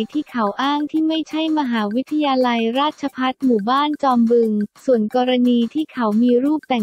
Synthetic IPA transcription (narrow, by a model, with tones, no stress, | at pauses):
jt̪ʰiː˥˩kʰa˩˦wʔaː˥˩ŋt̪ʰiː˥˩ma˥˩jt͡ɕʰa˥˩jma˧ɦaː˩˦wi˦˥t̪ʰːa˧jaː˧la˧jɾaː˥˩t̪̚t͡ɕʰa˧pʰa˦˥t̪̚muː˨˩baː˥˩nt͡ɕɔː˧mbɯ˧ŋsu˨˩ənkɔː˧ɾa˧niː˧t̪ʰiː˥˩kʰa˩˦wmiː˧ɾuː˥˩p̚t̪ɛ˨˩